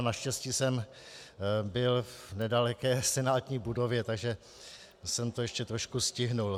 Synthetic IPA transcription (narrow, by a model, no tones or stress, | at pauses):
naʃcɛsciːsɛm | bɪlvnɛdalɛkɛːsɛnaːt̪ɲiːbudo̞vjɛt̪aɡʒɛ | sɛmt̪ojɛʃcɛt̪ɾoʃkuscɪɦnul